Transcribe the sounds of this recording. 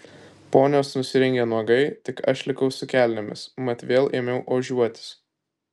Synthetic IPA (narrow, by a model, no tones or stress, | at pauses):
poːnʲoːsnʊsʲɪɾʲɪŋʲɡʲenuɔɡɐɪt̪ʲɪkɐʃlʲɪkɐʊsʊkʲæːlʲnʲɪmʲɪ̰smɐt̪ʋʲeːlˠʔeːmʲɛʊʔoːʒʲuɔt̪ʲɪ̥s